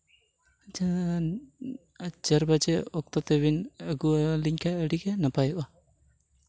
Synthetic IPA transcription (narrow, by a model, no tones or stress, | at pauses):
d͡ʒ | d͡ʒəɾbad͡ʒɛɔk̚t̪ɔt̪ɛβinəɡuliɲkʰaəɽiɡɛnapajuʔa